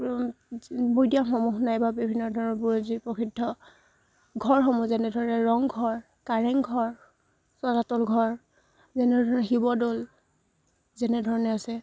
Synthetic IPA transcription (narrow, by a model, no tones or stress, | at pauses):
bojdiaxɔmuxnajbabibʱinːɔdʱɔɹɔnɔbuɹzipɔkʰidʱːɔ | ɡʱɔɹɦɔmuzɛnɛdʱɔɹɔnɛɹɔŋɡʱɔɹ | kaɹɛŋɡʱɔɹ | sɔzatɔlɡʱɔɹ | zɛnɛdʱɔɹɔnɛxibɔdol | zɛnɛdʱɔɹɔnɛasɛ